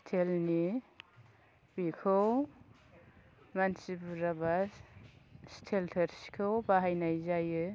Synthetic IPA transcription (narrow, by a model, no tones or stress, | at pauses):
stʰelni | bikʰɯw | mansibuɾaba | stʰeltʰeɾskʰɯwbaɦajnajzajɯ